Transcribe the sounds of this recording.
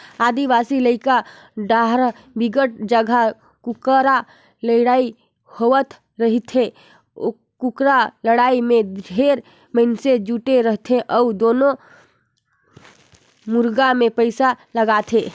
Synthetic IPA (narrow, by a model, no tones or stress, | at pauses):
ad̪ibasiləɪka | ɖaɦɾ | biɡəʈ̚d͡ʒəɡʱa | kukɾa | ləɽai | hoʋət̪ | ɾəɦit̪ʰe | o | kukɾaləɽaimedɖʱeɾ | mənsed͡ʒuʈeɾəɦt̪ʰeʔəud̪ono | muɾɡamepəɪsaləɡat̪ʰe